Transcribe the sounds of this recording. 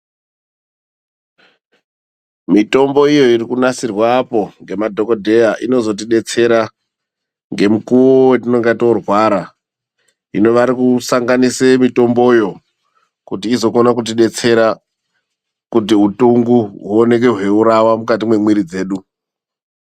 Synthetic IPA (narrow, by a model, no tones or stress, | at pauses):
mito̞mbo̞ijo̞irikunasirwapo̞ŋɡe̞madʱo̞kodʱe̞jaʔino̞zo̞t̬iɗe̞t͡se̞ɾa | ŋɡe̞mukuʋowetino̞ŋɡatorwaɾa | ino̞ʋaɾikusaŋɡanisemito̞mbo̞jo̞ | kutiːzo̞konak̬ut̬iɗe̞t͡se̞ɾa | kutiɦutuŋɡuɦuone̞k̬e̞ɦwe̞uɾawamukat̬imwe̞mwiɾid͡ze̞ːɗu